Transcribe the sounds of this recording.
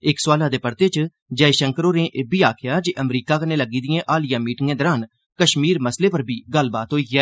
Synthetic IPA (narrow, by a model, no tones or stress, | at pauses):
ɪksʊaːlaːd̪eːpəɾt̪eːt͡ʃ | d͡ʒəːiʃəŋkəɾoːnẽːʔeːbiːaːkʰɪjaːd͡ʒeːʔəmɾiːkaːkəneːləɡiːd̪ɪjẽːʔaːlɪjãːmiːʈɪŋẽːd̪əɾaːn | kəʃmiːɾməsleːpəɾbʱiːɡəlːbaːt̪ɦoːiːɡɛː